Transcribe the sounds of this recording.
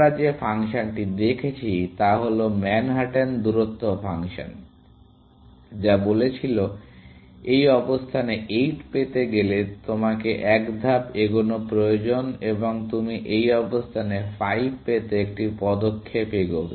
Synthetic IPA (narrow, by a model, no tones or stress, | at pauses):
ɾad͡ʑefʰaŋʃanʈid̪ekʰet͡ɕʰit̪aɦolomɛnɦaʈend̪uɾot̪ʰːofʰaŋʃa̰n | d͡ʑabolet͡ɕʰilo | ejɔbost̪ʰaneʔejʈpet̪eɡelet̪omakeʔɛkd̪ʱapeɡonopɾojod͡ʑoneboŋt̪umiʔejɔbost̪ʰanefajbpet̪eek̚ʈipɔd̪okʰːepeɡobe